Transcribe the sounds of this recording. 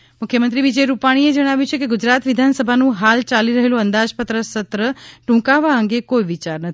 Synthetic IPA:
mʊkʰjəmənt̪ɾiʋid͡ʒəjɾupaɽ̃ied͡ʒəɽ̃aʋjũt͡ʃʰekeɡʊd͡ʒɾat̪ʋid̪ʱansəbʱanũɦalt͡ʃaliɾəɦelũənd̪ad͡ʒpət̪ɾəsət̪ɾəʈũkaʋaəŋɡekoiʋit͡ʃaɾnət̪

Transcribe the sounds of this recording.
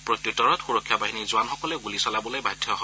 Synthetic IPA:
pɹɔtjutɔɹɔtxuɹɔkʰːjabaɦinizʊanxɔkɔlɛɡulisɔlabɔlojbajdʱjɔɦɔ

